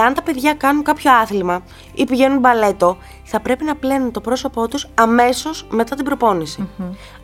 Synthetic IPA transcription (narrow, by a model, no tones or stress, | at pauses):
ɐnt̪ɐpe̞ðʝɐkɐnuŋkɐpço̞ɐθlimɐ | ipiʝe̞nunbɐle̞t̪o̞ | θɐpɾe̞pinɐplenunt̪o̞pɾo̞so̞po̞t̪usɐme̞so̞zme̞t̪ɐt̪ibɾo̞po̞nisi